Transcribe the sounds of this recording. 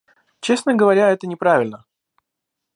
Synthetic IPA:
t͡ɕe̞snəɡəvɐɾʲaɛt̪ənʲɪpɾavʲɪlʲnə

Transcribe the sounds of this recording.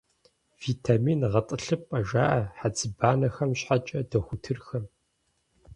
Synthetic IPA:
v̥iːtʰaːmiːnʁɐtʼɨɬɨpʼɐʒaːʔɐħad͡zɨbaːnɐxɐmɕħat͡ʃʼɐdɐxʷʊtʰɨrxɐm

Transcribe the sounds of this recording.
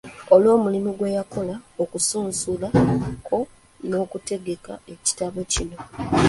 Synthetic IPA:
olwo̞ːmulimiɡwe̞jako̞laokusuːnsulakʰo̞ | no̞ːkute̞ɡe̞ka̰e̞ci̥taβocino̞

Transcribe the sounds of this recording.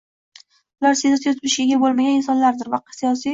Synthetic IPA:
ʊlaɾseat̪ijɒt̪ʰɪlɪʃeɡʲabolˠmaɡʲanɪnsɒnlaɾd̪ɪɾvaqʰsijɒsi

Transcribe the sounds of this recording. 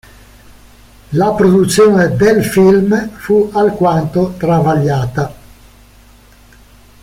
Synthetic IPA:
lapɾod̪ut̪sːjoːned̪elfilmfualkwant̪ot̪ɾavaʎːaːt̪a

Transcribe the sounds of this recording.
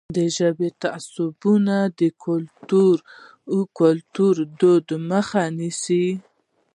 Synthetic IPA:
d̪əʒəbet̪asʊbunad̪əkʰʊlt̪uɾ | kʊlt̪uɾd̪od̪məxanisi

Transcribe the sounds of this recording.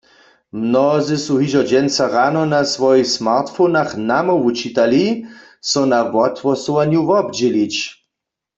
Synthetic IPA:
mnɔzɪsuɦiʒɔd͡ʒɛnt͡saʁanɔnasʋɔjixsmaʁt̪fonaxnamɔut͡ʃit̪ali | sɔnaʋɔt̪wɔsuwanjuvɔbd͡ʑɛlit͡ɕ

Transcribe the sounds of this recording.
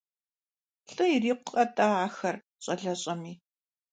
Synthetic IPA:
ɬʼɨjiriːqʷʊqʼɐtʼaːaːxɐr | ɕʼɐɮɐɕʼɐmiː

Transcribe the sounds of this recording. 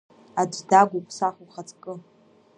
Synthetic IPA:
ad͡ʒʷdaɡʷupʰʼsaχuχat͡sʼkʼɨ

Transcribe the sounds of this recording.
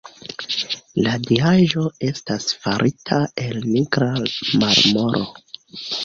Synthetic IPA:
ladiaʒo̞e̞stasfaɾʔitʰae̞lniɡɾamaɾmo̞ɾʔo̰

